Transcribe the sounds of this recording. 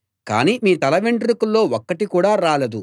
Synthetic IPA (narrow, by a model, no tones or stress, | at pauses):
ka̰ːniːmiːt̪ɐlɐʋeɳɖɾukulːo̞ːɔkːɐʈikuːɽaːɾaːlɐd̪u